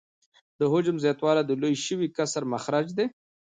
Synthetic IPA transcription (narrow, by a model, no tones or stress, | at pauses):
d̪əɦʊd͡ʒʊmzjɑt̪wɑːlad̪əlojʃəwikasaɾmaxɾad͡ʒd̪e